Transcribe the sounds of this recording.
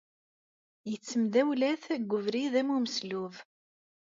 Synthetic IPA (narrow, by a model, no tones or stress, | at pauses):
jət͡sːəmd̪æwlæθæɡʷːʊvɾiðæmuməsluv